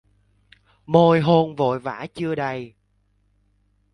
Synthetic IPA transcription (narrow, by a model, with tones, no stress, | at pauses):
mo˧jɦo˧nvo̰˧˨jva̰ː˧˥t͡ɕɨ˧əɗə˧˩j